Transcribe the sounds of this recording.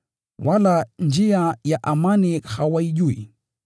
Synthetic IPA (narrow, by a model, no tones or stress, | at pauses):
waland͡ʒiajaʔamanihawaiʄuḭ